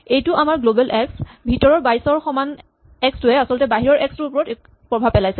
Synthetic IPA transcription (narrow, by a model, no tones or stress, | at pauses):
ejtʊʔamaɹɡlobɛlʔɛksbʱitɔɹɔɹbajsɔɹxɔman | ɛkstʊɛasɔltɛbaɦiɹɔɹʔɛkstʊɹpɔɹɔt | pɹɔbʱab̚pːɛlajsɛ